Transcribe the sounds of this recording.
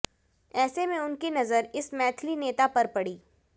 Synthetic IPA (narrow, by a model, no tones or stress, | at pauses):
ɛːsemẽʊnkinɐzəɾɪsmɛːt̪ʰlineːt̪apɐɾpɐɽiː